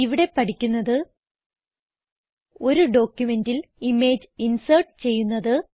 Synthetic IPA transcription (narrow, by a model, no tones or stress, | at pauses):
iʋiɽe̞pɐʈʰikʲːunːɐðɨ | o̞ɾuɖo̞ːkʲːjume̞ndilime̞ːd͡ʑinsɐrʈɨt͡ɕe̞jːunːɐðɨ